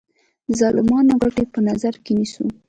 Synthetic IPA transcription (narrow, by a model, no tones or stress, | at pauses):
zɑlɪmɑnoɣaʈepənazaɾkenisu